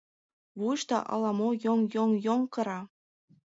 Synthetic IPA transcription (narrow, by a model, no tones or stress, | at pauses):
βuʃt̪ɑ̰ʔɑ̰lˠɑmojoŋjoŋjoŋkɤ̆ɾɑ